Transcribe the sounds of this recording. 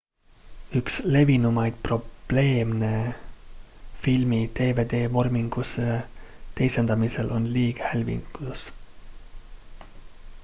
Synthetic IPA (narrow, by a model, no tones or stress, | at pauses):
yksle̞vinumɑjd̪̥̚pro̞b̥le̞ːmne̞ | filmit̪e̞ːve̞d̪̥e̞ːvo̞rmiŋɡ̥uset̪e̞jsend̪̥ɑmise̞lʔo̞nliːɡ̥ehælʲvḭŋku̥us